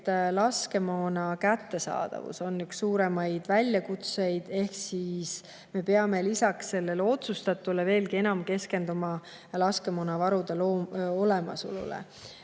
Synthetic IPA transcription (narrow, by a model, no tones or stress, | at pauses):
t̪ːlɑske̞moːnɑkæt̪ːe̞sɑ̰ːd̪̥ɑ̰vṵso̞nːyksːuːɾe̞mɑjd̪̥vælʲjɑkut̪se̞jd̪̥e̞hksiːs | me̞peɑme̞lisɑksse̞lːe̞lo̞t̪sust̪ɑt̪ːˑule̞ve̞ːlɡie̞nɑmke̞ske̞nd̪umɑ | lɑske̞monɑvɑɾud̪̥eloːo̞lemɑ̰so̰lṵlḛ